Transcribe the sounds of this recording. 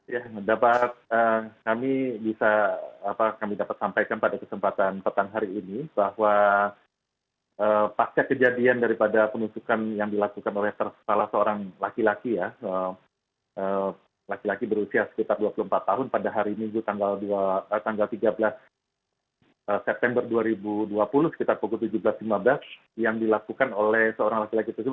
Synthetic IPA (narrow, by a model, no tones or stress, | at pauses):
jadapat̪̚əkamibisaːpakamidapat̪̚sampajkanpadakəsəmpat̪anpət̪aŋɦaɾiːnib̥ahwa | əpat͡ʃakəd͡ʒadiandaɾipadapənusukanjaŋdilakukanolɛht̪ərsalasəoɾaŋlakilakijaə | ʔə | lakilakibəɾusiasə̥kit̪arduapuluhəmpat̪ːaɦʊnpadaɦaɾimiŋɡut̪aŋɡalduaət̪aŋɡalt̪iɡablas | əsɛp̚t̪ɛmbərduaɾibuduapulʊhsə̥kit̪arpukʊlt̪ud͡ʒubəlaslimablas | jaŋdilakukanolɛhsəoɾaŋlakilakit̪ərsib̚